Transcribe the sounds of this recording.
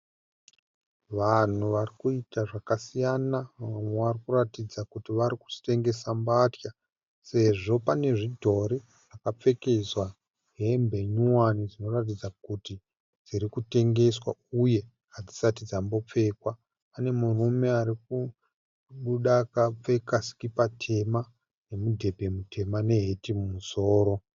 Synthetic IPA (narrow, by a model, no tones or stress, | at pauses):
ʋan̤uʋarikuitaʐakasijanaaamweʋarikuratid͡zakutiʋaɾiku̥si̥te̞ŋɡe̞sambatja | se̞ʐo̞pane̞ʐidʱo̞ɾi | ʐakap͡fe̞ke̞zwa | ɦe̞mbe̞ɲuwanid͡zino̞rat̬id͡zakuti | d͡ziɾikute̞ŋɡe̞swauje̞ | ɦad͡zisat̬id͡zambo̞p͡fe̞kwa | pane̞murume̞aɾik̚u | ɓuɗakap͡fe̞kasi̥kipatʰe̞ma | ne̞mudʱe̞bʱe̞mutʰe̞mane̞ɦetimumuso̞ːɾo̞